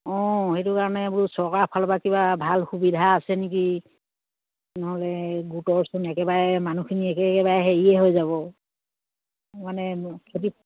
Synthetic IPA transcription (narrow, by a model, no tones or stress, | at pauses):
ɔ̃hetukaɹɔnɛbuɹusɔkapʰalbakibabʱalxubidʱaːsɛnik̬i | nɔɦɔlɛɡutɔɹsunɛkɛbaɹɛmanukʰiniɛkɛkɛbaɹɛɦeɹiɛɦojzaβɔ | manɛkʰoti